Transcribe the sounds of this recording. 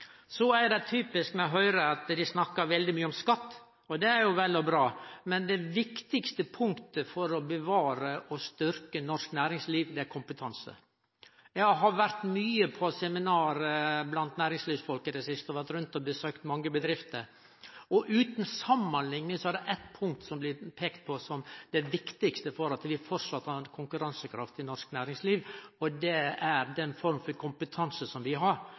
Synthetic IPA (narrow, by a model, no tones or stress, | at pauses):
sɔæɾd̪ɛt̪ʰyːpɪskmɛɔɦœʏɾəɑt̪d̪ɪsnɑkːɑɾʋɛld̪ɪmyːəɔmskɑt̪ː | ɔd̪ɛæɾjʊʋɛlːɔbɾɑːmɛnd̪ɛʋɪkt̪ɪkst̪əpʰʊŋkt̪əfɔɾɔbəʋɑːɾəʔɔst̪ʏɾkənɔʂknæːɾɪŋsliːʋd̪ɛæɾkʰʊmpət̪ʰɑnsə̰ | jɛɡɦɑɾʋæɾt̪myːəpʰɔsɛmɪnɑːɾəblɑnt̪næːɾɪŋsliːʋsfɔlkəd̪ɛsɪst̪əɔʋæɾt̪ɾʉnt̪ɔbəsøːkt̪mɑŋːəbəd̪ɾɪft̪əɾ | ɔʔʉːt̪nsɑmːənlɪŋnəsɔæɾɖ̪ɛʔɛt̪pʰʊŋk̚t̪sɔmblɪpʰeːkt̪̚pʰɔsɔmd̪̥ɛʋɪkt̪ɪkst̪əfɔɾɑt̪ʋɪfɔɾʂɑt̪ːɑnkʰʊŋkʉɾɑnsəkʰɾɑft̪ɪnɔʂknæːɾɪŋsliːʋɔd̪ɛæɾd̪ɛnfɔɾmfɔɾkʰʊmpət̪ʰɑnsəsɔmʋɪɦɑɾ